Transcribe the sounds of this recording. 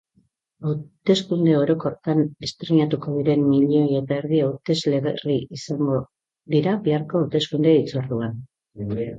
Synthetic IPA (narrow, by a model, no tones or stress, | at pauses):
awt̪e̞skund̪e̞o̞ɾo̞ko̞ret̪ane̞st̪ɾeɲat̪uko̞ðiɾe̞mːiʎoje̞t̪aeɾðiawt̪e̞zle̞ɣeriisaŋɡo̞ | ðiɾaβeaɾko̞awt̪e̞skund̪e̞it͡soɾðuan